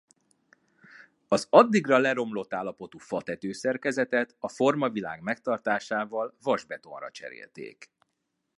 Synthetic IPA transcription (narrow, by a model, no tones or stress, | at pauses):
ɒzɒd̪ːiɡrɒlɛɾo̞mlo̞t̪ːaːlːɒpo̞t̪uːfɒt̪ɛt̪øːsɛrkɛzɛt̪ɛt̪ɒfo̞rmɒvila̰ːɡmɛk̚t̪ɒrt̪aːʃaːvɒlvɒʒbɛt̪o̞̰nrɒ̰t͡ʃɛ̰ɾḛːlt̪ḛːk